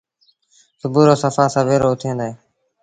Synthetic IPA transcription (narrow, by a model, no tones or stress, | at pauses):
sʊbuːɾoːsəfaːsãːʋeːɾoːʊt̪ʰẽːnd̪aɦeː